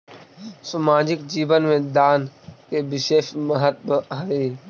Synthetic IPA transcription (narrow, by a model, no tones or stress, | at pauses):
səmaːd͡ʒɪk̚d͡ʒiːʋənmẽd̪aːnkeːbɪʃeːʃməɦət̪̚bəaːeː